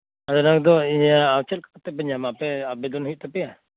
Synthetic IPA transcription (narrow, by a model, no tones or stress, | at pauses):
ad̪ɔnak̚d̪ɔijaːwt͡ʃɛlkakt̪ɛpɛɲamapɛabɛd̪ɔnɦujuʔ̚t̪apɛja